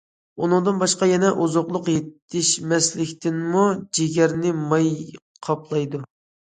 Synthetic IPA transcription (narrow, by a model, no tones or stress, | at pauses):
unɨŋd̪ɨnbɑʃqɑjɛnɛʔuzoqlˠʊqjet̪ʰːɪʃmɛslɪkʲt̪ɪnmud͡ʒeɡʲɛɾnɪmɑj | qʰɑplˠɑjd̪u